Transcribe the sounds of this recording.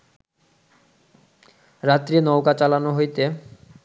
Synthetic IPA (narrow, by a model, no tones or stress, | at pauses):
ɾat̪ːɾinɔwkat͡ɕalanoɦojt̪e